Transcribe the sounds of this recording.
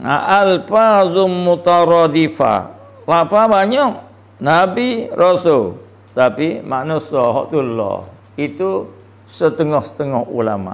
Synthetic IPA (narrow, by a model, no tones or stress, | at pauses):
a̰ʔalfazʊmut̪aɾɔd̪ifa̰ | lapabaɲɔʔ | nabirʔɔsol | t̪apima̰ʔnusɔɦɔ̰ʔt̪ulːɔ̰ | it̪u | sət̪əŋɔhsə̥t̪əŋɔhṵlama̰